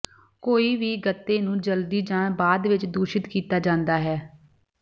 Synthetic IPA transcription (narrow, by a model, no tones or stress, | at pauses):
koːiːʋiːɡət̪ːeːnũːd͡ʒəld̪iːd͡ʒãːɳbaːd̪ʋɪt͡ʃd̪uːʃɪt̪kiːt̪aːd͡ʒãːnd̪aːɦɛː